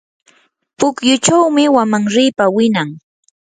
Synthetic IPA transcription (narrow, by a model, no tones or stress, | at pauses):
pʊkjʊt͡ʃawmɪwamaŋɾɪːpawɪnaŋ